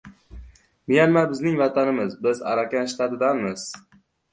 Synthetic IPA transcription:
mɪjanmabɪznɪŋvat̪ʰanɪmɪzbɪza̰ɾakʲanʃt̪at̪ɪd̪anmɪz̥

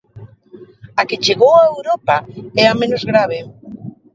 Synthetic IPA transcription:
aket͡ʃeɣowaewɾopaɛamẽnozɣɾaβ̞e

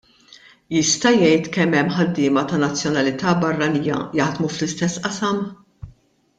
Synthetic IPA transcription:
jɪst̪ɐjɛjt̪kɛmːɛmːħɐd̪ːɪːmɐt̪ɐnɐt͡sːjɔnɐlɪt̪ɐːbɐrːɐniːjɐ̰jɐħd̪muflɪst̪ɛsːʔɐsɐm

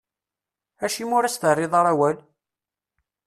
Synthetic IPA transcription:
æʃimʊɾæst̪ərˤːɪðˤɑɾˤæwæl

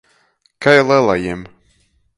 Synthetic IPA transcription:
kajlˠɛlˠajɛm

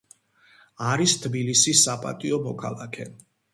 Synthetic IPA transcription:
aɾist̪ʰbilisisːapʼa̰t̪ʼiɔmɔkʰa̰lˠakʰɛ

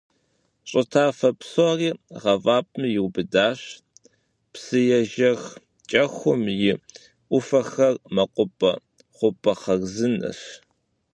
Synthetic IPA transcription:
ɕʼɪtʰaːfɐpsoriːʁɐvaːp̚ʼmɨjɪwbɨdaːɕ | psɨjɛʒɐx | t͡ʃʼɐxʷʊmjɪ | ʔʷʊfɐxɐrmɐqʷʼʊpʼɐ̰ | χʷʊpʰʼɐqɐɣzɨnɐ̰ɕ

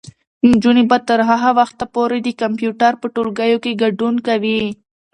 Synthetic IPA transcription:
md͡ʒunibat̪əɾɦaɦawaxt̪apoɾed̪əkampjuʈaɾpəʈolɡajokeɡaɖunkawi

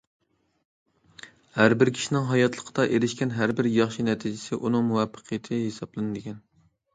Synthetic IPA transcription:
hæɾbɪɾkʲʰi̥ʃinɪŋɦɑjɑt̪ʰlˠəqʰəd̪ɑʔeɾɪʃkʲɛnɦæɾbɪɾjɑχʃinɛt̪ʰid͡ʒɪsɪʔunɨŋmuwɛpʰːə̥qʰɨjɪt̪ʰɪɦesɑblˠɨnɨd̪ɪɡʲɛn

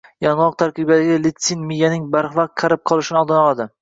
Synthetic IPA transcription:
jɒnwˠɒq̚t̪ʰaɾqɨbad̪aɡʲalɪt̪sinmijanɪŋbaɾχvaqqt̪̚qʰɑɾɪp̚qʰɒlˠɪʃɪnɪɒlˠd̪ɪnɒlˠad̪ɪ

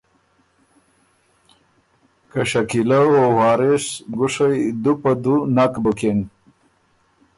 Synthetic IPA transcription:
kaɕakilaowɑːɾesɡʊʂajd̪upad̪unakbʊken

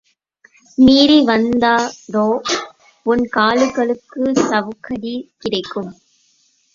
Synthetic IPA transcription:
miːɾiʋɐnd̪aːd̪oː | ʊnkaːlɯɣɐɭɯkːɯsɐʋɯkːɐɽikɪɽɐɪkːɯm

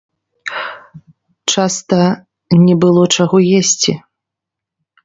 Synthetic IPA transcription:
t͡ʂast̪ɐ | nʲɛbɨlˠɔt͡ʂaɣɔjesʲt͡sʲi

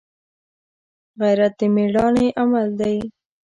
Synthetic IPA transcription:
ɣajɾat̪imeɽɑneʔamald̪aj

